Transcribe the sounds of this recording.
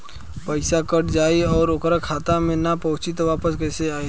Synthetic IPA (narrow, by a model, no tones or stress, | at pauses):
pəɪsakəʈd͡ʒaːiɔːɾokɾakʰaːt̪amẽnapɔːt͡ʃit̪ʋaːpəskɛːseaːi